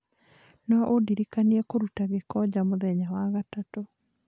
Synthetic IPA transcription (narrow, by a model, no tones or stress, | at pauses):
nɔʔodiɾikaniɛkoɾutaɣekɔd͡ʒamoðɛɲawaɣatato